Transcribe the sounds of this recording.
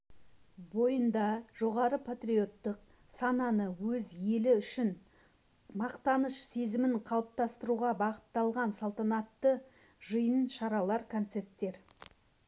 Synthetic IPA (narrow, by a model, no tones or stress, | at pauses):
bo̞jənd̪ɑʒ̥o̞ʁɑɾəpʰat̪rʲijo̞t̪ːəq | sɑnɑnəwɵzje̞lɪʏʃɪn | mɑqt̪ɑnəʃse̞zɪmɪɴqʰɑlˠəp̚t̪ɑst̪əɾuʁɑbɑqət̪ːɑlˠʁɑnsɑlˠt̪ɑnɑt̪ːə | ʒəjənʃɑɾɑlˠɑɾkʰo̞nt̪se̞rt̪ːe̞ɾ